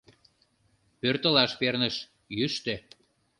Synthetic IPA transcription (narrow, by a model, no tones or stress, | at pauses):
pørt̪əlɑʃpernəʃ | jyʃt̪e